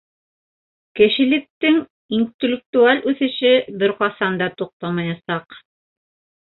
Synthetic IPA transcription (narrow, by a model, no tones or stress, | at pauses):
kɘ̆ʃɘ̆lɘ̆k̚t̪ɘŋ | int̪ʲɪlʲɪk̚t̪ualʲʔʉθɘ̆ʃɘbɘɾqɑsɑnd̪ɑt̪uq̚t̪ɑmɑjɑsɑq